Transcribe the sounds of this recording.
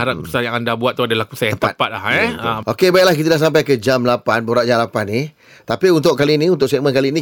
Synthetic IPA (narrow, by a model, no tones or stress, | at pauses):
aɾatəsajaŋandabuat̪ːuadalahku̥sajaəpəat̪̚pat̪̚lahɛʔokebajɛʔlahk̬it̪̬ədas̬amp̬ajkəd͡ʒamlapanboɾaʔ̚d͡ʒamlapani | t̪apiunt̪̬ʊʔkalinĩunt̪ʊʔsɛʔmə̃nkalinĩ